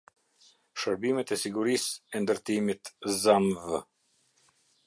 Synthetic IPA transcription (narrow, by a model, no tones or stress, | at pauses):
ʃəɾbimɛt̪ɛsiɡuɾisɛnd̪əɾt̪imit̪zamvə